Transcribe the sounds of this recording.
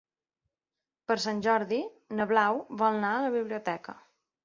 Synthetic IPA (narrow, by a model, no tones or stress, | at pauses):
pəɾsanʲʒɔɾði | nəβlawβɔlˠnaələβiβliut̪ɛkə̰